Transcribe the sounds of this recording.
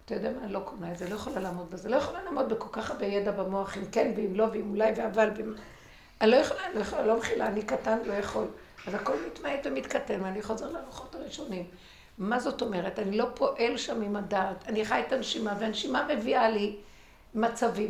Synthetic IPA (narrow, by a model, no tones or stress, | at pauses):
at̪ajod̪ɛamaːnilo̞kʰonaetzelojaχolalaːmo̞d̪̚bezelojaχolalaːmo̞d̪̚beko̞lkaχabejedabamo̞aχimkenbeimlo̞veimulajveavalvem | anilo̞jaχolailojaχolalomeχilaːnikatanlo̞jaχo̞l | azako̞lmitmaedvemit̪kate̞nveaniχo̞ze̞ʁleaaʁoχo̞taʁiʃo̞nim | mazo̞to̞me̞ʁetanilo̞pʰo̞ʔe̞lʃamimadaːtaniχaetanʃimaveanʃimame̞viali | mat͡savim